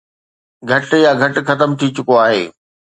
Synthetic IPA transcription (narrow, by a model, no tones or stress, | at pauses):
ɡʱɐʈjaɡʱɐʈxɐt̪əmt̪ʰit͡ɕʊkoaːɦḛː